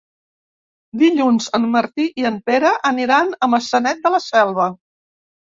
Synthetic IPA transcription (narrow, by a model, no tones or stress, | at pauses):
d̪iʎunzəmːəɾt̪iʔiəmpeɾəʔəniɾanəməsənɛt̪̚d̪ələsɛlˠβə